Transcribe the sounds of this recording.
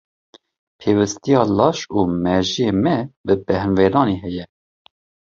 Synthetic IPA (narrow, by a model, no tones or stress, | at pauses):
pʰeːwɨst̪ijɑːlɑːʃuːmɛʒijeːmɛbɨbɛhnveːɾɑːneːɦɛjɛ